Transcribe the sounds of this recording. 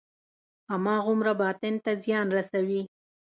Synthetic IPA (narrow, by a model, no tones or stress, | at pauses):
amɑɣʊmɾabɑt̪ɪnt̪azjɑnɾasawi